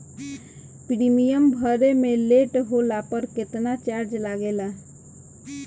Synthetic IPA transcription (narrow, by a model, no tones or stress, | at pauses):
pɾimijəmbʱəɾemeleʈɦolapəɾket̪nat͡ʃaɾd͡ʒlaɡela